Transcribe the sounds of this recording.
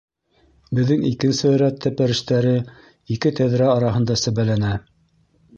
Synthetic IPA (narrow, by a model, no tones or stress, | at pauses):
bɘ̆ðːɘŋikɘ̆nsɘɾæt̪ʰːæpæɾɘ̆ʃt̪æɾɘ | ikɘt̪æðɾæɑɾɑɦɤ̆nd̪ɑsæβælænæ